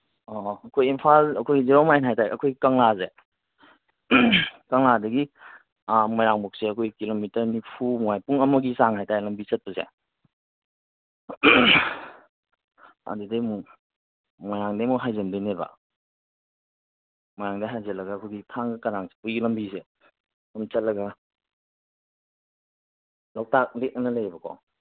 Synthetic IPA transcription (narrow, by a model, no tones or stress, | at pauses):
ɔɐkʰojimpʰalɐkʰojɡizeɾɔwmajnɦajtajʔɐkʰojɡikɐŋlaze | kɐŋladɐɡi | majɾaŋbɔk̚seɐkʰojkilomitɐɾnipʰumuwajpuŋɐmɐɡisaŋɦajtajlɐmbisɐt̚pɐsḛ | a̰dudamu | mɔjɾaŋdɐmuɦajzɐndjneba̰ | mɔjɾaŋdɐɦajzɐlɐɡaːkʰojɡitʰaŋɡɐkɐɾaŋsi̥pujilɐmbise | amt͡ʃɐt̚lɐɡɐ | law̚tak̚lek̚ŋnɐlɐjbɐkʰɔ̰